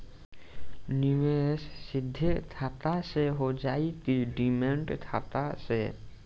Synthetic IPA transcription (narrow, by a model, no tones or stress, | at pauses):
nɪʋessɪd̪ʱːət̪ʰaːt̪aseɦod͡ʒaːit̪iɖimẽɳʈt̪ʰaːt̪ase